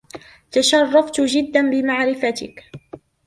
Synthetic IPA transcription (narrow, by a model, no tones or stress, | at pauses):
t̪aʃɑrˤːɑft̪d͡ʒɪd̪ːanbɪmaʕɾɪfat̪ɪk